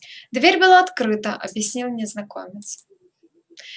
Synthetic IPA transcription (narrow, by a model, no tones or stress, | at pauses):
d̪vʲeɾʲbɨlˠaːt̪kɾɨt̪ɐʔɐ̰bʲjasʲnʲilnʲɛznakɔ̰mʲɛt̪s